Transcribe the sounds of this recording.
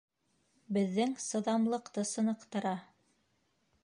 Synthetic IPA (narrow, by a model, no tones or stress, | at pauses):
bɘ̆ðːɘŋsɤ̆ðɑmlˠɤ̆qt̪ɤsɤ̆nɤ̆qt̪ɤ̆ɾɑ